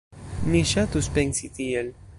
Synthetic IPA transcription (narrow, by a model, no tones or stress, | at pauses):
miʃat̪uspɛŋsit̪iel